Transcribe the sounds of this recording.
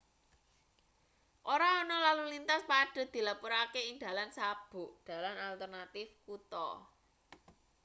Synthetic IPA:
ʔoɾaɔnɔlalulint̪aspaɖ̥ɔ̤d̪̥i̤lapuɾakeiŋd̪a̤lansab̥ʊ̤ʔd̪̥a̤lanalt̪ərnat̪ɪfkut̪ɔ̰

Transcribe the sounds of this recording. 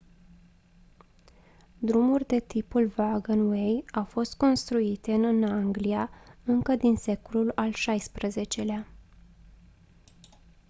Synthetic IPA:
d̪ɾumurʲd̪e̞t̪ipulvaɡənwe̞jawfo̞st̪̚ko̞nst̪ɾuit̪eɨnaŋɡliaɨŋkəd̪inse̞ko̞lulalʃajspɾəze̞t͡ʃe̞lea

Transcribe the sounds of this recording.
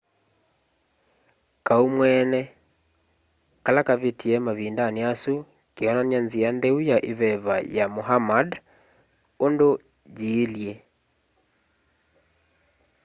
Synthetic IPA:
kaumwɛnɛ | kalakaβetʰiɛmaβindaniasu | keɔnanjanziandɛujaʔeβɛβa̰jamoɦamad | ondo | d͡ʒiːlje

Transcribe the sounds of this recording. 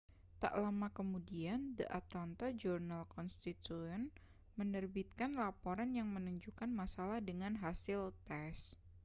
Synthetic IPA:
t̪a̰ʔlamakəmudiandəʔat̪ɔnt̪ad͡ʒurnalkɔnst̪it̪uən | mənərbit̪̚kanlapoɾanjaŋmənuɲd͡ʒukanmasalahdəŋanɦasɪlt̪ɛs

